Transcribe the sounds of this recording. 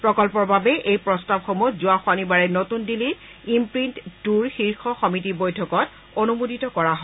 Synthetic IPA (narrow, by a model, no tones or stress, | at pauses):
pɹɔkɔlpɔɹbabɛʔejpɹɔstabxomuzʊaxwanibaɹɛnotundili | impɹintd̥uɹxiɹxɔxɔmitibojtʰɔkɔt | onumudʱitɔkɔɹaɦɔ